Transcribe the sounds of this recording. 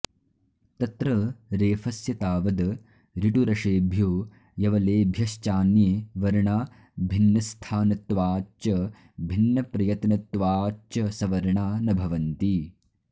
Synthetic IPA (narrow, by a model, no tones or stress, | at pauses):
t̪ɐt̪ɾɐɾeːfɐsjɐt̪aːʋɐd̪ɐ | ɾiʈuɾɐʂeːbʱjoː | jɐʋɐleːbʱjɐʃt͡ʃaːnjeːʋɐɾɳaː | bʱinːɐst̪ʰaːnɐt̪ʋaːt͡ʃɐ | bʱinːɐpɾɐjɐt̪nɐt̪ʋaːt͡ʃɐsɐʋɐɾɳaːnɐbʱɐʋɐnt̪i